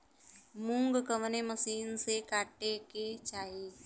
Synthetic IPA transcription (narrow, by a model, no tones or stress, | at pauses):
mũŋɡkəʋneməsiːnsekaːʈeket͡ʃaːiː